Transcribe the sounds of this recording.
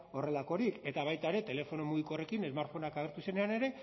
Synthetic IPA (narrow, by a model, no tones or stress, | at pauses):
o̞re̞lako̞ɾike̞t̪aβ̞ajt̪aɾe̞t̪e̞le̞fo̞nomuɣikore̞kine̞zmaɾt̪fo̞nakaɣ̞e̞ɾt̪use̞ne̞ane̞ɾe̞